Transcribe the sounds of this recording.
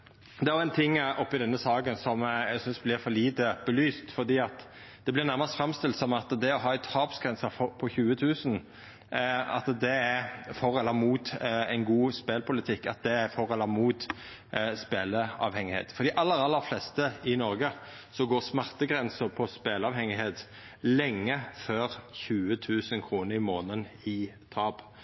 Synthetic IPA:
d̪ɛæɾjʊæɪnt̪ʰɪŋːɔpːɪd̪ɛnːəsɑːɡənsɔmæɡsʏnsblɪɾfɔliːd̪əb̥əlyːst̪fɔʁd̪iːɑt̪ | d̪̥ɛblɪʁnæɾʁmɑst̪fɾɑmst̪ɪlt̪sɔmɑt̪d̪ɛɔɦɑːt̪ʰɑːpsɡɾɛnsəfɔpʰɔçʉːət̪ʰʉːsən | ɑ̰t̪d̪ɛæɾfɔʁɛlːəmuːt̪æɪnɡuːspeːlpʰʊlət̪ʰɪkːɑ̰t̪̚d̪ɛæɾfɔʁəlɑmuːt̪ | speːləɑ̰ːʋhɛŋɪhḛːt̪fɔɾd̪ɪʔɑlːəɾʁɑlːəɾflɛst̪əɪnɔɾɡə | sɔɡoːʁsmæʁt̪əɡʁɛnsəɾpʰɔspeːləɑːʋhɛŋɪɦeːt̪ | lɛŋːəføːɾçʉːət̪ʰʉːsənkʰɾuːnəɾɪmoːnənɪ | t̪ʰɑːb

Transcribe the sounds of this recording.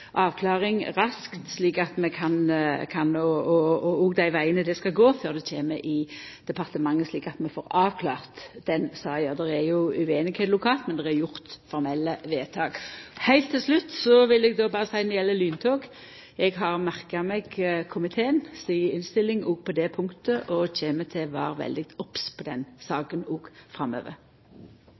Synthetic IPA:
ʔɑːʋkʰlɑːʁɪŋʁɑskt̪sliːkɑt̪mɛkʰɑnkʰɑnɔɔɔɔɡd̪æɪʋæɪənəd̪ɛskɑɡoːføːʁd̪ɛt͡ʃʰeːməʔɪd̪̥ɛpʰɑʁt̪əmɑŋːəsliːkɑt̪mɛfoːɾɑːʋkʰlɑːʁt̪d̪ɛnsɑːjɑːd̪ɛɾæjʊʉeːnɪɡhɛːt̪lʊkʰɑːlt̪mɛnd̪ɛʁæɾjʊʁt̪fɔɾmɛlːəʋeːt̪ʰɑːɡ̥hæɪlt̪ʰːɪlslʉt̪ːsɔʋɪlɛɡd̪oːbɑːɾəsæɪnɪjɛlːəlyːnt̪ʰoːɡ | ɛɡɦɑʁmæʁkɑmɛɡkʰʊmɪt̪ʰeːənsiːəɪnst̪ɪlːɪŋɔɡpʰɔd̪ɛpʰʊŋkt̪əʔɔc͡çeːmət̪ʰɛʋɑ̰ːɾʋɛ̰ld̪ɪɡt̪ɔpspʰɔd̪ɛnsɑːkənɔːɡ̥fɾɑmø̰ːʋə̰ɾ

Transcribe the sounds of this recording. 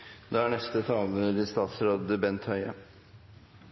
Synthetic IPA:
d̪ɛæɳɛst̪ət̪ʰɑːlɾɪst̪ɑːt̪sɾoːd̪əbɛnt̪hœʏə

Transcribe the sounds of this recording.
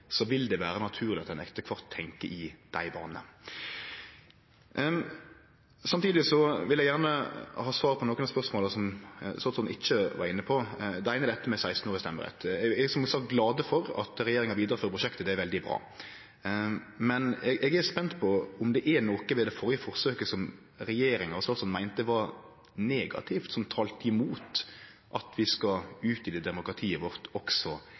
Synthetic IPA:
sɔʋɪld̪ɛʋæːɾənɑt̪ʰʉːɾlɪɑt̪ɛnɛ̰kt̪əkʰʋɑʁt̪ʰːɛŋkəʔɪd̪̥æ̰ɪbɑ̰ːnə̰ | sɑmt̪ʰiːd̪ɪsɔʋɪljɛɡjæʁnəhɑːsʋɑːʁpʰɔnoːkːənspœɾsmoːlsɔmsɔnsɔʔɪçːəʋɑ̰ɾɪnːəpʰɔd̪æɪnəd̪ɛt̪ːəmɛsæɪst̪n̩oːɾəst̪ɛmːəɾɛ̰t̪ːɛɛɡsɔmsɑkɡlɑːd̪əfɔɾɑ̰t̪ɾɛjeːɾɪŋɑɾʋiːd̪əɾəføːɾəpɾʊʃɛkt̪əd̪ɛæɾʋɛld̪ɪbɾɑ̰ː | mɛnɛɡʔɛɡæɾspɛnt̪pʰɔʊmd̪ɛʔænoːkəʋɛd̪ɛfɔɾjəfɔɾsøːkəsɔm | ɾɛjeːɾɪŋɑɾsɔlsɔnmæɪnt̪əɛʋɑ | neːɡɑ̰t̪ʰɪft̪sɔmt̪ʰɑːlt̪ɪmuːt̪ | ʔɑt̪ʰʋɪskɑʉːt̪ɪd̪ɛːd̪ɛmʊkɾɑt̪ʰiːəʋɔɾt̪ɔksɔ

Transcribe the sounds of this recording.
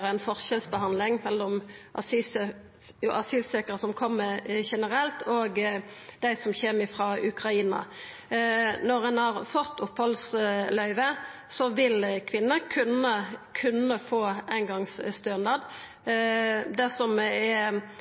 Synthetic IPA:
ʁæɪnfɔʁɕɛlsbəhɑnd̪lɪŋmɛlːɔmʔɑ̰syːsə | ʊʔɑsyːsekəɾəsɔmkʰɔmːəʃɛnəʁɛlt̪ʰoːɡ | d̪̥æɪsɔmçɛːmɪfʁɑːʔʉkʁɑiːnɑ̰ | nɔʁɛnhɑʁfɔt̪ːʊphɔlslœʏʋəsɔʋɪlkʰʋɪnːəkʰʉnəkʰʉnːəfoːæɪnɡɑŋsst̪øːnd̪ɑd̪ | d̪æsɔmɛ

